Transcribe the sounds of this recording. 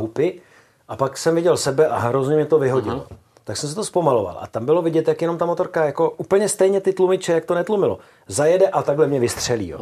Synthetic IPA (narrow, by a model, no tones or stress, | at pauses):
ɦupɪ | ʔapaksɛmvɪɟɛlsɛbɛʔaɦɾozɲɛmɲɛt̪o̞vɪɦo̞ɟɪ̰lo̰ | t̪aksɛms̬ɛt̪ospomalo̞va̰lʔa̰t̪ambɪlo̞vɪɟɛt̪jakjɛno̞mt̪amot̪o̞ɾkajako̞ʔupl̩ɲɛst̪ɛjɲɛt̪ɪt̪lumɪt͡ʃɛjak̚t̪onɛt̪lumɪlo̞̰ | zajɛdɛʔat̪aɡɦlɛmɲɛvɪst̪r̝̥ɛlḭjo̰